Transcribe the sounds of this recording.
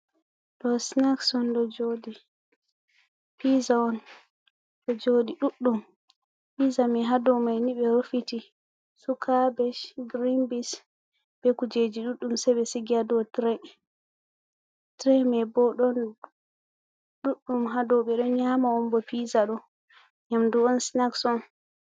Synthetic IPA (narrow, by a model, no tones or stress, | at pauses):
dɔsnaksɔndɔd͡ʒodi | pizaɔn | ɗɔd͡ʒodiɗuɗːum | pizamɛɦadɔmajniɓɛɾofiti | sukʰabɛʃɡɾimbis | bɛkud͡ʒed͡ʒiɗuɗːumsɛbɛsiɡiadɔtɾɛ | tɾɛmɛbɔɗɔn | ɗuɗːumɦadɔɓɛɗɔɲamaɔnbɔpizaɗɔ | ɲamduɔnsnaksɔn